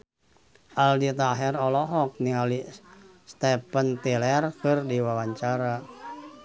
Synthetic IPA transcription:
ʔaldit̪aɦɛrɔlɔɦɔk̚niŋalist̪ɛpənt̪ilɛrkɨrdiwawaɲt͡ʃaɾa

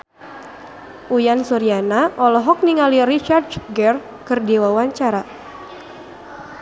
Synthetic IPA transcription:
ʔujansuɾianaʔɔlɔɦɔk̚niŋalirit͡ʃardɡɛr | kɨrdiwawaɲt͡ʃaɾa

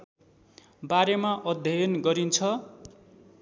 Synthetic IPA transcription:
baɾemaʔʌd̪ʱjʌjʌnɡʌɾint͡sʰʌ

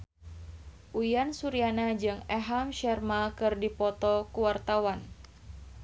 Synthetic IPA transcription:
ʔujansuɾianad͡ʒɨŋɛɦamʃɛrmakɨrdipɔt̪ɔkuwart̪awan

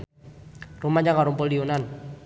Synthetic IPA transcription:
rumanɲd͡ʒaŋaɾumpoliunan

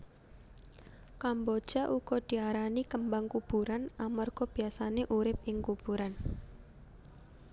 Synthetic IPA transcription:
kambɔd̥ʒ̥aʔuɡ̥ɔd̪̥i̤aɾanikəmbaŋkub̥uɾanamɔrɡ̥ɔb̥i̤asaneʔuɾɪp̚ɪŋkub̥uɾan

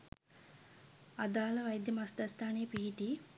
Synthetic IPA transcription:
ɐd̪aːlɐʋɐjd̪jɐmɐsd̪ɐst̪ʰaːneːpiːʈi

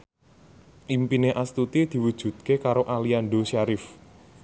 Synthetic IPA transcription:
ʔimpineʔast̪ut̪id̪̥i̤wud̥ʒ̥ṳt̪̚kekaɾoʔalianɖosaɾɪf

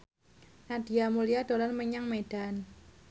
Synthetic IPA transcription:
nad̥i̤amulijad̪̥o̤lɔnməɲaŋmeɖ̥an

